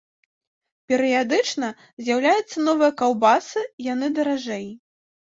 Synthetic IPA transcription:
pʲɛɾɨjad̪ɨt͡ʂnɐ | zʲjawlʲajut̪sːɐnɔvɨjɐkawbasɨjan̪ɨd̪ɐɾaʐɛj

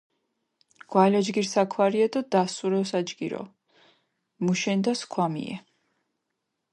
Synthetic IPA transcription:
ɡ̥waɛlad͡ʒɡiɾsakʰwaɾiad̪ad̪asuɾɛsad͡ʒɡiɾɔ̰ | muʃɛnd̪askʰwamḭɛ̰

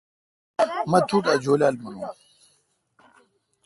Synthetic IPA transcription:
mɐt̪ʰuːʈaːd͡ʑoːlaːlmɐnũː

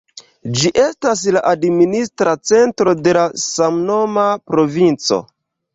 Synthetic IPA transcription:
d͡ʒiʔe̞stas̬laʔadministɾat͡se̞ntɾo̞de̞lasamno̞mapɾo̞vint͡so̞̰

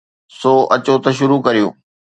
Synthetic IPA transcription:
sɔːʔɐt͡ɕot̪ɐʃ̬ʊɾukɐɾijṵ̃ː

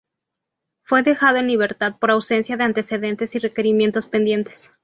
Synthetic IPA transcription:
fwe̞ðe̞xaðo̞enliβe̞ɾt̪að̚po̞ɾawse̞nsjaðe̞ant̪e̞se̞ðe̞nt̪e̞sire̞ke̞ɾimje̞nt̪o̞spe̞nd̪je̞nt̪e̥s

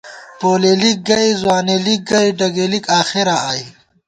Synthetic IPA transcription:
poːlelik̚ɡɐizwaːnelik̚ɡɐjɖɐɡelikaːxeɾaːj

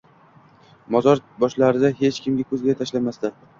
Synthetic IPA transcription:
mɒzɒɾbɒʃlaɾɪd̪aɦe̞t͡ʃkʲɪmɡʲakʰɵzɡʲat̪ʰaʃlamast̪a

